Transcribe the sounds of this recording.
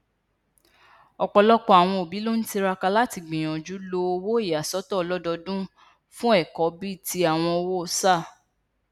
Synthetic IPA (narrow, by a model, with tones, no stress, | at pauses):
ɔ˨k͡pɔ˧lɔ˦k͡pɔ˦a˨w̃ɔ̃˧o˨bi˨˦lo˦n̩˦ti˧ɾa˧ka˧la˦ti˧ɡ͡bĩ˨ɔ̃˨d͡ʒu˨˦lo˧o˧wo˦i˦˨ja˨sɔ˨˦tɔ˦˧lɔ˦dɔ˧dũ˦ | fũ˦ɛ˦˨kɔ˨˦bi˦˨ti˧a˨w̃ɔ̃˧o˧wo˦o˧sa˦˨